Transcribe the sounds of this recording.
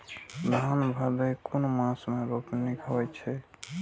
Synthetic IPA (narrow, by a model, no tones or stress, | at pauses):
d̪ʱanbʱəd̪əjkonomãsmẽɾopnikʰəwɛt͡ʃʰɛ